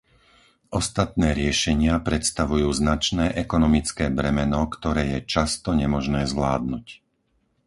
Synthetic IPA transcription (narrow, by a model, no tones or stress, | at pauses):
ʔɔst̪at̪nɛːɾɪɛʃɛɲɪapɾɛt̪st̪aʋujuːznat͡ʃnɛːʔɛkɔnɔmit͡skɛːbɾɛmɛnɔkt̪ɔɾɛːjɛt͡ʃast̪ɔɲɛmɔʒnɛːzʋlaːd̪̚nuc